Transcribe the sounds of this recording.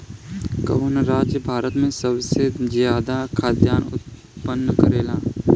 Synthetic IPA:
kɐ̰ʋənɾaːd͡ʒjəbʱaːɾət̪mẽsəbsezjaːd̪akʰaːd̪jaːnʊ̰t̪̚ | pənːəkəɾeːlaː

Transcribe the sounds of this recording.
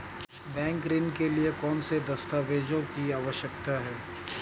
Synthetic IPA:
bɛ̃ːŋkɾɪnkeliekɔːnsed̪ɐst̪aːʋeːd͡ʒõkiaːʋəʃjəkt̪aɦɛː

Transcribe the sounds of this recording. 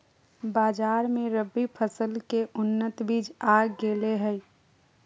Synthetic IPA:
baːd͡ʒaːɾmẽɾəbːipʰəsəlkeʔʊnːət̪biːd͡ʒaːɡːeːleɦəj

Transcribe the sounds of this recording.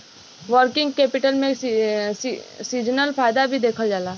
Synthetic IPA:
ʋəɾkɪ̃ŋɡkeːpɪʈəlmẽ | siːd͡ʒnəlfaːjd̪abʱid̪eːkʰəld͡ʒaːlaː

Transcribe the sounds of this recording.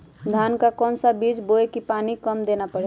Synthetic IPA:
d̪ʱaːnkakɔːnsabiːd͡ʒboekipaːnikəmd̪eːnapəɽe

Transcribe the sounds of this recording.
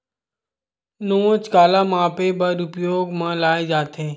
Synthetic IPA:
nõːt͡ʃkaːlamãːpebəɾʊpjoːɡmãːlaːed͡ʒaːt̪eː

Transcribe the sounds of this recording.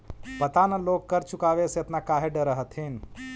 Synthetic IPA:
pət̪anəloːkkəɾt͡ʃukaːʋesjet̪nakaːɦeɖəɾəɦət̪ʰɦin

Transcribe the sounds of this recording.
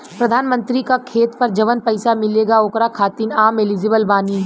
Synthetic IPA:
pɾɐd̪ʱaːnmə̃nt̪ɾikakʰeːt̪pɐɾd͡ʒɐʋənpɐɪsamɪleːɡaoːkɾakʰaːt̪iːnaːmeliːd͡ʒəbəlbaːni

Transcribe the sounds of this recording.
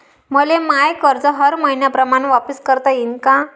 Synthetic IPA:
məlemajkəɾd͡zəɦəɾməinjapɾəmaɳ̃ʋapəskəɾt̪ainka

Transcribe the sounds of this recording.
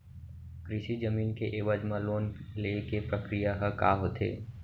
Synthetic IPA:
kɾɪʃid͡ʒəmiːnkeʔeːʋəd͡ʒmãloːnlekepɾəkɾijaɦəkaːɦot̪ʰḛː

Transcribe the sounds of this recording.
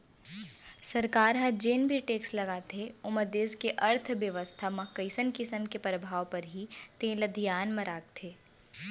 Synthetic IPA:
sɐɾkaːɾɦɐd͡ʒeːnbʱiʈeːkslɐɡaːt̪eʊməd̪eːskeʔɐɾt̪ʰʋjəʋəst̪ʰamɐkːəɪsənkɪsəmkepɾəbʱaːʋpɐɾɦit̪ẽːlɐd̪ʱijaːnmɐ̃ɾaːk̚t̪ʰeː

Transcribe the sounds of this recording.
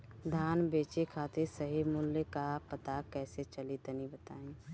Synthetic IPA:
d̪ʱaːnbeːt͡ʃekʰaːt̪ʰesəɦimʊlːekaɦpət̪akɛːset͡ʃəlit̪ənibət̪a̰ːẽ

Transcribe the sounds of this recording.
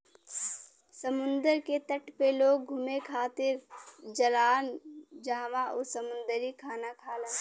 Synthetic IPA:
səmʊ̃nd̪əɾket̪əʈʰpeloːɡ̚ɡʱʊmekʰaːt̪ɪɾd͡ʒəlaːnd͡ʒaːʋaʔʊsəmʊ̃nd̪əɾikʰaːnakʰaːlaː

